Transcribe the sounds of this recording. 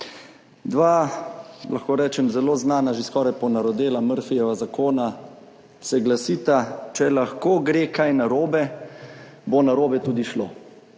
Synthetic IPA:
d̪ʋaː | lʔaxkoːɾɛːt͡ʃɛmzɛloːznaːnaʒeskɔːɾajpɔnaɾɔd̪eːlaməɾfijɛʋazakoːna | sɛɡlasiːt̪at͡ʃɛlaxkoːɡɾeːkajnaɾoːbɛ | bonaɾoːbɛt̪uːd̪iʃlo̰ː

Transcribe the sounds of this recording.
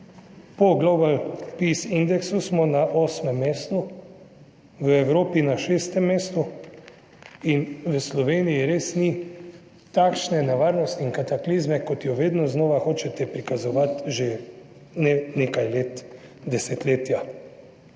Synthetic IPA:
pɔɡlobalpisind̪ɛksusmɔnaʔoːsmɛmːeːst̪u | ʋəɛwɾoːpinaʃeːst̪ɛmːeːst̪u | inʋəslɔʋeːnijiɾeːsni | t̪akʃnɛnaʋaːɾnɔst̪iŋkat̪aklizmɛkɔt̪jɔʋeːd̪nɔznɔːʋaxoːt͡ʃɛt̪ɛpɾikazɔʋat̪ʒe | nɛnekajlet̪ | d̪ɛsɛt̪leːt̪ja

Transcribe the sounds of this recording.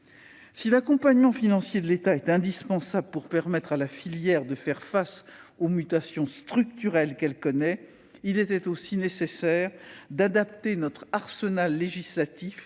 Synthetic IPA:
silakɔ̃paɲmɑ̃finɑ̃sjed̪əlet̪aɛt̪ɛ̃d̪ispɑ̃sabləpuʁpɛʁmɛt̪χalafiljɛʁd̪əfɛʁfasomyt̪asjɔ̃st̪χyk̚t̪yʁɛlkɛlkɔnɛ | ilɛt̪ɛt̪osinesesɛːʁd̪ad̪ap̚t̪enɔt̪χaʁsənalːeʒislat̪if

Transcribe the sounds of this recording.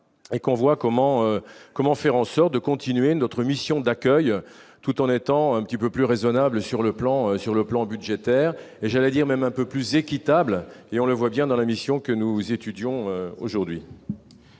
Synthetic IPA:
ekɔ̃vwakɔmɑ̃økɔmɑ̃fɛʁɑ̃sɔʁt̪̚d̪əkɔ̃t̪inɥenɔt̪χəmisjɔ̃d̪akʲœj | t̪ut̪ɑ̃net̪ɑ̃ɛ̃pə̥t̪ipøplyʁezɔnabləsyʁləplɑ̃øsyʁləplɑ̃byd̪ʒet̪ɛːʁeʒalɛd̪iʁmɛmɛ̃pøplyzekʲit̪ableɔ̃ləvwabjɛ̃d̪ɑ̃lamisjɔ̃kənuzet̪yd̪jɔ̃øoʒuʁd̪ɥi

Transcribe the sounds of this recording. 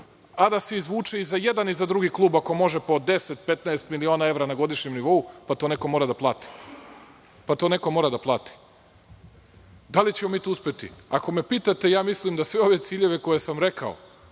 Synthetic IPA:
ad̪aseizʋuːt͡ʂeizajed̪anizad̪ɾuɡiklˠuːbako̞mo̞ʒepod̪eset̪̚pe̞t̪naest̪milio̞ːnae̞vɾanaɡo̞d̪iʃɲemniʋo̞upat̪oːneko̞moɾad̪aplˠaːt̪i̥ | pat̪o̞ːne̞ko̞mo̞ːɾad̪aplˠaːt̪i̥ | d̪alit͡ɕemo̞miːt̪uuspet̪ḭako̞me̞piːt̪at̪e̞jaːmislimd̪asʋeo̞ʋe̞t̪siːʎe̞ʋe̞ko̞jesamɾe̞ka̰o̰

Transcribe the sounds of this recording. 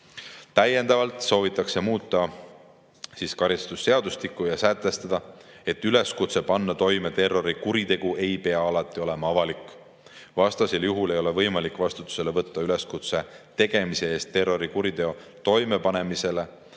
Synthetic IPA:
t̪æjːe̞nd̪ɑvɑlt̪so̞ːvit̪ːˑɑkse̞muːt̪ːˑɑ | siːskɑɾist̪usːe̞ɑd̪ust̪ikˑːujɑsæt̪ːˑe̞st̪ɑd̪̥ɑe̞t̪ːyle̞skut̪sepɑnːɑt̪o̞jme̞t̪e̞rːo̞ɾikuɾit̪e̞ɡ̥uʔe̞jpe̞ɑɑlɑt̪ˑːio̞le̞mɑɑvɑlikːˑ | vɑst̪ɑseljuɦule̞jo̞le̞vɤjmɑlikːˑvɑst̪u̥t̪ːˑu̥se̞levɤt̪ːɑyle̞skut̪set̪e̞ɡ̥e̞mise̞e̞ːst̪ːe̞rːo̞ɾikuɾit̪e̞o̞t̪o̞jme̞pɑne̞mise̞le̞

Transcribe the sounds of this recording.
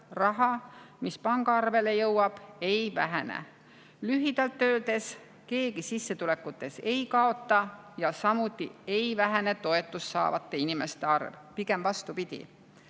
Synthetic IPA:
rɑɦɑmispɑŋɡ̥ɑɑrve̞le̞jɤwɑb̥e̞jvæɦænḛ | lyɦid̪̥ɑlt̪ːøːld̪̥e̞s | ke̞ːɡisisːe̞t̪ule̞kːˑut̪ːˑe̞se̞jkɑo̞t̪ːˑɑ | jɑsɑmut̪ːˑie̞jvæɦæene̞t̪o̞e̞t̪ːˑusːɑ̰ːvɑt̪ːˑe̞inime̞st̪eɑrvpiɡe̞mvɑst̪upid̪̥ʲḭ

